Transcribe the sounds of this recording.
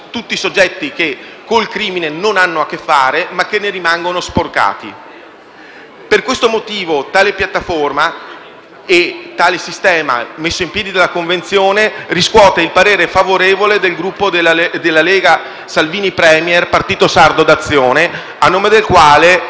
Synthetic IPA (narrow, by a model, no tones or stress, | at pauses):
t̪ut̪ːisod͡ʒːɛt̪ːik̟e | kːolkɾiːminenonanːoakːefːaːɾemakːenːeɾimaŋɡonosporka̰ːt̪ḭ | perkwest̪omot̪iːvot̪aːlepjat̪ːaforma | et̪ːaːlesist̪ɛːma̰mesːoimpjɛːd̪id̪alːakoɱvent̪sjoːneriskwɔːt̪eilpaɾeːɾefavoɾeːvoled̪elɡɾupːoed̪elːaleːɡa | salviːnipɾɛːmjɛrpart̪iːt̪osard̪od̪at̪sːjoːne | anːoːmed̪elkwaːle